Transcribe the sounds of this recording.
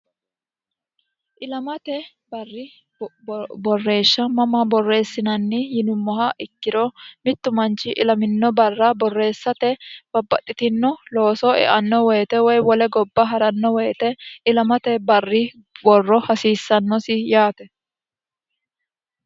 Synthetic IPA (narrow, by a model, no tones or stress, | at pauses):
ʔɪlɐmɐt̪ɛ | bɐrːɪ | bɔrːe̞ːʃːɐmɐmɐbɔrːe̞ːsːɪnɐnːɪjɪnʊmːɔɦɐʔɪkːɪɾɔmɪt̪ːʊmɐnt͡ʃɪʔɪlɐmɪnːɔbɐrːɐbɔrːe̞ːsːɐt̪ɛb̥ɐbːɐt̪ʼːɪt̪ɪnːɔlo̞ːsɔɛ̰ʔɐnːɔwɛjːt̪ɛwɔjwɔlɛɡɔbːɐɦɐɾɐnːɔwɛjːt̪ɛɪlɐmɐt̪ɛbɐrːɪ | wɔrːɔhɐsiːsːɐnːɔsɪjaːt̪ɛ